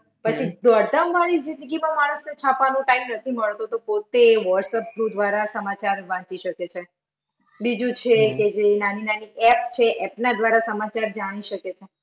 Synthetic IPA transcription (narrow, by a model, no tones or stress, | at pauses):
pət͡ʃʰid̪əɾd̪əmʋaɽ̃id͡ʒɪ̃nd̪əɡimãmaɭ̃əsnet͡ʃʰapʋanũʈaimnət̪ʰiməɭt̪ot̪opot̪eʋɔɾsəp̚ɡɾud̪ʋaɾasəmat͡ʃaɾʋãt͡ʃiʃəket͡ʃʰe | bid͡ʒũt͡ʃʰeked͡ʒenaninaniʔɛp̚t͡ʃʰeʔɛpnad̪ʋaɾasəmat͡ʃaɾd͡ʒaɽ̃iʃəket͡ʃʰe